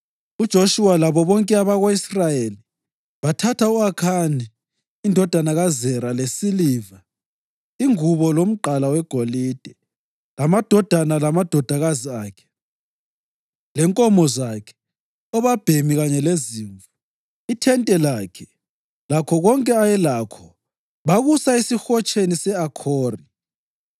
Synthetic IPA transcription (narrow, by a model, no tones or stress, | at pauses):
ud̥ʒ̥ʱoʃuwalaβɔβɔŋkʼɛaβaɣoisrajeli | βatʰatʰauakʰaniː | ndʱɔd̥ʱanaɣazɛɾalesiliːva | iŋuβɔlom̩ǃalawɛɡ̥ʱolid̥ʱɛ | lamad̥ʱɔd̥ʱanalamad̥ʱɔd̥ʱaɣaziaːkʰɛ̥ | lɛŋkʼɔmɔzakʰɛ̥ | ɔβab̥ʱemiɣaɲɛleziːɱvu | itʰɛntʼɛlakʰɛ | lakʰɔɣɔŋkʼɛajɛlakʰɔ̥ | βaɣusaisixɔt͡ʃʰʼenisɛakʰɔːri